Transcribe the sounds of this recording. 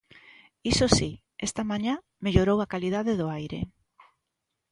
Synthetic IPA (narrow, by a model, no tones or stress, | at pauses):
isosi | est̪amãɲa | meʎoɾowakalið̞aðeðʊajɾḛ